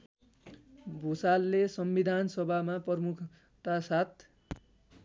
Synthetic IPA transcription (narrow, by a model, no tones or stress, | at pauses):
bʱusalːesʌmbid̪ʱansʌbʱamapʌrmukʰ | t̪asat̪̚ʰ